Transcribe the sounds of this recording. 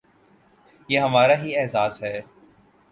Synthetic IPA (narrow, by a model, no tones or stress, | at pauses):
jeːɦəmaːɾaːɦiɛːzaːzɦɛː